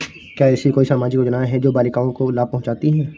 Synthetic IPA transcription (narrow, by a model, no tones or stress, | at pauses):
kjaːɛsikoːisaːmaːd͡ʒikod͡ʒɐnaːɦɛd͡ʒoːbaːlikaːõkolaːb̚pɐɦʊ̃t͡ʃaːt̪iɦɛ̃ː